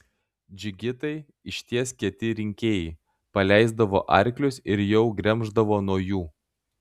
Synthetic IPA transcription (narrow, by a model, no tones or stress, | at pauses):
d͡ʒʲɪɡʲɪt̪ɐɪ | ɪʃʲt̪ʲiɛskʲiɛt̪ʲɪɾʲɪŋʲkʲeːjɛɪ | pɐlʲæˑɪzd̪ɐʋo̰ːʔɐɾʲklʲʊsɪɾjɛʊɡɾʲɛmʒd̪ɐʋoːnuɔjuː